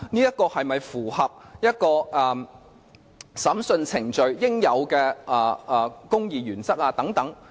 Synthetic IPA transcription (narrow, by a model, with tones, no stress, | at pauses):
niː˥jɐ˥t̚kɔː˧hɐ˨jmɐ˨jfuː˨˩hɐ˨p̚jɐ˥t̚kɔː˧ʔɛ˨ | sɐ˨˥msɵ˧nt͡sʰɪ˨˩ŋt͡ʃɵ˨ɥjɪ˥ŋjɐ˨˧wkɛː˧ʔɐː˨˩˨kʊ˥ŋjiː˨jyː˨˩nt͡sɐ˥k̚aː˧t̪ɐ˨˥ŋt̪ɐ˨˥ŋ